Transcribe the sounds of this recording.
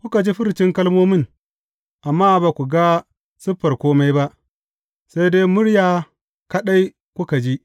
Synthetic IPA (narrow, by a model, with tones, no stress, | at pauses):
kʷʊ˦ka˨d͡ʒi˦ɸɪ˦ɾt͡ʃɪ˦ŋkɐ˦lmoː˦mɪ˦ŋ | ʔa˨mːaː˦baː˨kʷu˨ɡa˦ | sɪ˦ɸːɐ˨rkʷoː˦ma˦jba˦ʔ | sa˦jdeː˦mʊ˦ɽjaː˨ | kɐ˦ɗa˦j | kʷʊ˦ka˨d͡ʒi˦ʔ